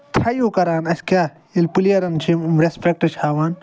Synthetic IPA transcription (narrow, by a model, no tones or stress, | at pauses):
t̪ʰɐjuːkɐɾaːnɐsʲkʲaː | ilpulijɐɾɐnt͡ʃʰimmɾespek̚ʈɐt͡ʃʰhaːʋaːn